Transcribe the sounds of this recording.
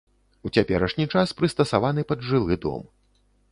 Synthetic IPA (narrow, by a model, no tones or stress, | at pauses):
ut͡sʲapʲɛɾɐʂnʲit͡ʂaspɾɨst̪ɐsavanɨpɐd̪ʐɨlˠɨd̪ɔ̰m